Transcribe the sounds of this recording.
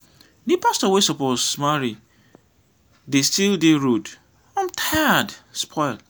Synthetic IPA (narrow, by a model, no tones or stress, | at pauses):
nĩpastɔwesɔposmaɹi | destildeɹod | ãmtʰaadspʰɔɪl